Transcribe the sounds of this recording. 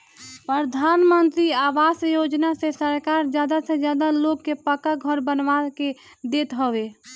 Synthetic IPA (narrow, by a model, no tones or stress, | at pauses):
pɾəd̪ʱaːnmənt̪ɾiaːʋaːsjoːd͡ʒnasesəɾkaːɾd͡ʒjaːd̪ased͡ʒjaːd̪aloːɡkepəkəɡʱəɾbənʋake | d̪eːt̪ɦoʋeː